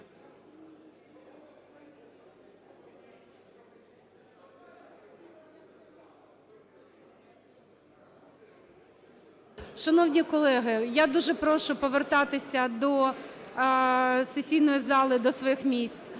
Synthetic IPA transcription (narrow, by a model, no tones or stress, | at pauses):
ʃɐnɔwnʲikɔlˠɛɦɪjad̪uʒɛpɾɔʃʊpɔʋert̪ɑt̪ɪsʲɐd̪ɔ | sesʲijnɔjizɑlˠɪd̪ɔsʋɔjixmʲisʲtʲ